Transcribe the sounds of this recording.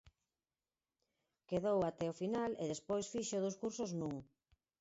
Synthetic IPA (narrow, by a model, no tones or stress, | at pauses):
keðowat̪ɛofinalḛðespojsfiʃoðoskuɾsoznũŋ